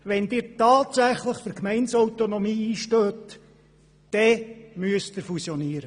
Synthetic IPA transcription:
ʋɛnd̥̪ɪːɾtɑːtsæχləχfəɾkmɛɪnsɔwt̪onomiːiːʃtøːtː | ɛmyəsd̪ɪfusjɔniːəɾə

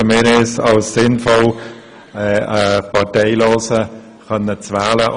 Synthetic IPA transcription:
əmɪɾɪsɑlsːɪnfɔl | ɛəpʰɑteɪloːsə | xœnːət͡sʋaːlə

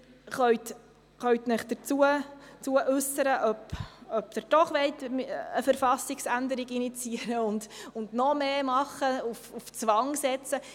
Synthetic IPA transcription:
χœɥt | χœɥt̪nɪχd̥̪əɾt͡suət͡suəʔʉsəɾəʔœpœp̚d̥̪əɾd̥ɔχʋɛɪt̪məfəɾfɑsiksændəɾiɡinit͡siəɾəʊndʊnd̪nɔmeːmɑχəufuft͡sʋɑŋsɛt͡sə

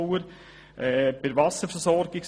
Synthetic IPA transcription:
əɾ | ʔɛːb̥ɪɾʋɑsəɾfəɾsɔɾɡɪks

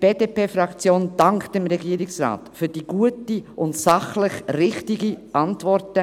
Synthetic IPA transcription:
b̥eːd̥eːpeːfɾɑkt͡sjoːnd̥ɑŋktɪmɾɛɡiːɾɪksɾa̰ːtfyːd̥iːɡ̥uətiʔʊntsɑχlɪχɾɪχtɪɡiʔɑntvɔɾtə

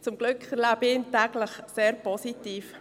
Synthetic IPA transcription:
t͡sʊmɡ̥lʏkχɛɾlabɪːntɛɡləχseːɾpɔsitiːf

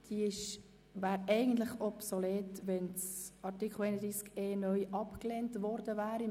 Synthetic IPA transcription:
d̥iːɪʃ | væːɾɛɪɡən̩t̪lɪχɔpsɔlɛːtʋɛnsɑɾtikχl̩ɛɪnəd̪ɾiːskeːnœʏʔɑpkleːntʋɔɾdəvæːɾi

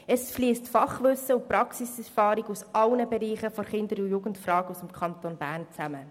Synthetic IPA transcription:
ɛsfliəstfɑχʋʏsːəʊpɾɑksisɛɾfɑːɾiɡusʔɑlnəbɛɾiːχəfɔɾχɪndəɾujuɡəntfrɑːɡusəmkʰɑntonbæːɾnt͡sæmə

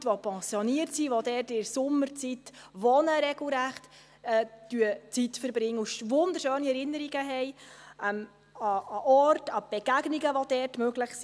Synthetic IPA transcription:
tʋɔpʰɛ̃sjɔniərtsiʋɔdɛrtɪɾsʊmːəɾt͡sitʋɔnəɾɛɡl̩ˠɾæχt | ɛd̥yət͡sitfəɾbɾɪŋːəuʃvʊnd̪əɾʃøːniɛɾɪnəɾiɡ̥əɦɛjɛm | ɑːʔɔrtɑb̥ɛɡ̥æɡniɡəʋɔd̥ɛrtmøɡlɪχs

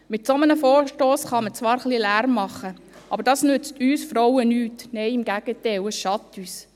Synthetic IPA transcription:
mɪtsomənəfɔːɾʃtoːsχɑmət͡sʋɑːɾχlilæːɾmːɑχːə | ʔɑbəɾd̥ɑːsnʉt͡styːsfɾɔwənyːtnɛjɪmɡ̥æɡ̥ətɛwəsʃɑtːyːs

